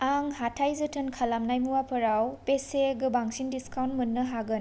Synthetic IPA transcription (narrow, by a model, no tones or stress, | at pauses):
aŋhatʰajzɯtʰɯnkʰalamnajmuwapʰɐɾawpeseɡɯbaŋsindiskawntmunːɯɦaɡɯn